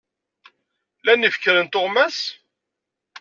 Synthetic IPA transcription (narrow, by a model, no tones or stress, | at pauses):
lænifkːəɾənt̪ʊʁmæs